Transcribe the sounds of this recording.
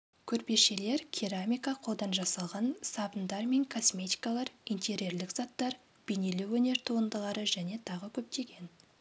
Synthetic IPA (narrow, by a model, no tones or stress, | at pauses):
kʲʰɵɾpe̞ʃe̞le̞ɾkʲʰiɾamʲijkaqʰo̞lˠd̪ɑnʒɑsɑlˠʁɑnsɑbənd̪ɑɾme̞ŋkʰo̞smʲe̞t̪i̥jkalˠɑɾijnt̪ʰʲe̞ɾje̞ɾlɪkz̥ɑt̪ːɑɾ | b̥ene̞luwɵne̞ɾt̪ʰuənd̪əʁɑɾəʒæne̞t̪ʰɑʁəkʲʰɵp̚t̪e̞ɡʲe̞n